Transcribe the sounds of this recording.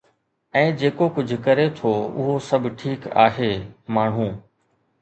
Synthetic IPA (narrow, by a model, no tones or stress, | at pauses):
ɛ̃ːd͡ʑeːkokʊd͡ʑʱʊkɐɾet̪ʰoːʊ̰ɦosɐbʱʈʰiːka̰ːɦeːmaːɳ̤ɦũː